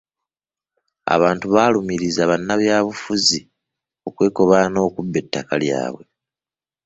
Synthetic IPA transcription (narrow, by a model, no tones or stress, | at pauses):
a̰βaːntuβaːlumiɾizaβanːaβjaːβufuzi | o̞kwe̞ːko̞βano̞ːkubːe̞tːakalja̰ːβwe̞̰